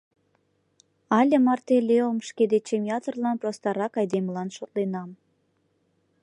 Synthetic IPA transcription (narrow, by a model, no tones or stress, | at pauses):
ɑlʲə̆mɑrt̪elʲeomʃked̪et͡ɕemjɑt̪ərlɑnprost̪ɑɾɑkɑjd̪eməlɑnʃot̪lenɑm